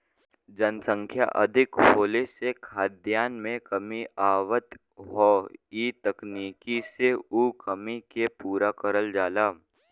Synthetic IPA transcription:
d͡ʒənsə̃ŋkʰja̰ʔɐ̰d̪ʱɪkɦoːlesekʰaːd̪jaːnmẽkɐmiʔaːʋət̪ | ɦɔːiːt̪əkniːkiseuːkəmikepuːɾakəɾəld͡ʒaːlaː

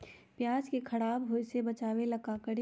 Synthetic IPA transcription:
pjaːd͡ʒkekʰɐɽaːbɦoːjsebɐt͡ʃaːwelɐkakəɽ

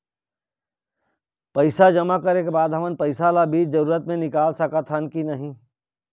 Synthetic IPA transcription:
pɐɪsad͡ʒɐmakɐɾekebaːd̪ɦɐmənpɐɪsalabiːt͡ʃzɐɾuːɾət̪mẽnɪkaːlsɐkat̪ʰankinɐɦĩ

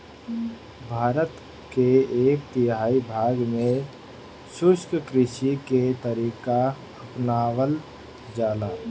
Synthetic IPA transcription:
bʱaːɾət̪ | keeːk̚t̪ɪɦaːibʱaːɡmẽ | sʊskkɾɪʃiket̪əɾiːka | əpnaːwəl | d͡ʒaːdaː

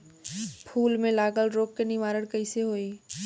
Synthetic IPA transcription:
pʰuːlmẽlaːɡəlɾoːkːenɪʋaːɾəɽkɐɪseɦoːiː

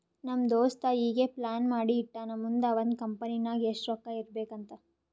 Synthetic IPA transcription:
nɐmd̪oːst̪ɐiːɡeplaːnmaːɽiːʈːaːnɐmːund̪ɐʋond̪kɐmpɐninaːɡieʂʈɾɔːkːaiɾbe̞ːkɐnt̪ɐ

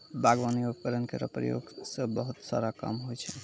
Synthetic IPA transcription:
bʱaɡʋanijobkəɾənkeɾə̰pɾə̰jo̰ɡsə̃bəɦut̪sa̰ɾaka̰mɦojt͡ʃʰɛ

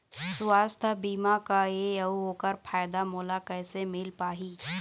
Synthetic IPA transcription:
sʊaːst̪ʰabiːmakaeɐuɦoːkəɾpʰaːjd̪amoːlakɛːsemɪlpaːɦiː

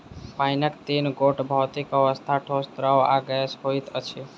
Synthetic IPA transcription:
paɪnəkt̪inɡoʈbʱəːt̪ikəʋəst̪ʰaʈʰost̪ɾəwa̰ɡəəsɦoit̪ət͡ʃʰi

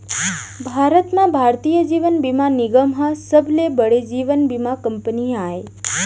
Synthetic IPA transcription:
bʱaɾət̪nãbʱaɾt̪ijəd͡ʒiʋənbimaniɡəmɦasəbʱlebəɽed͡ʒiʋənbimakəmpənijae

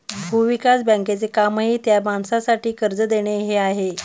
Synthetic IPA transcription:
bʱuʋikasbə̃ŋket͡sekamɦit̪jamaɳsasaʈiːkəɾd͡zəd̪eɽ̃eɦeaɦe

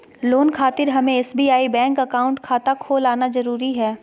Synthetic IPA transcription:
loːnkʰaːt̪ɪɾɦɐmẽɛːsbiːaːibɛ̃ːŋkɐkaːʊ̃ɳʈkʰaːt̪akʰoːlaːnazɐɾuːɾiɦɛː

